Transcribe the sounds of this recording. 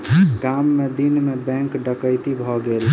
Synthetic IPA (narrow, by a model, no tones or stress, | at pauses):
ɡamːed̪inmebɛ̃ŋkɖəkəjt̪ibʱɔɡel